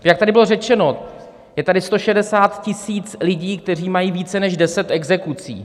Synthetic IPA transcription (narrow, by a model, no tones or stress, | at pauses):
jak̚t̪adɪbɪlo̞rɛt͡ʃɛno̞ | jɛt̪adɪst̪o̞ʃɛdɛsaːt̪cɪsiːt͡slɪɟiːk̚t̪ɛr̝iːmajiːviːt͡sɛnɛʒdɛsɛt̪ʔɛɡzɛkut͡sḭː